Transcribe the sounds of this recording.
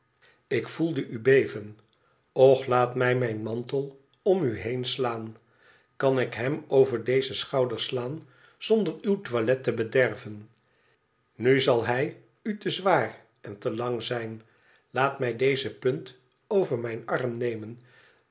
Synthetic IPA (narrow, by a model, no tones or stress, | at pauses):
ɪkfulˠdəʔybejvən | ɔχlaːtmɛjmɛjnmɑntəlˠ | ɔmyɦejnslaːn | kɑnɪkɦɛmowvəɹdejzəsχɑwdəɹslaːn | z̥ɔndərywtʋalɛtəbədɛɹvən | nyzɑlˠɦɛj | ytəzʋaːr | ɛntəlɑŋzɛjn | laːtmɛjdejzəpɵnt | owvəɹmɛjnɑrmnejmən